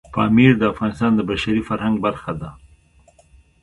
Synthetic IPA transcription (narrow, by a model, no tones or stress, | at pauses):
pɑmiɾd̪əafɣɑnɪst̪ɑnd̪əbaʃaɾifaɾhaŋɡ̚baɾxad̪a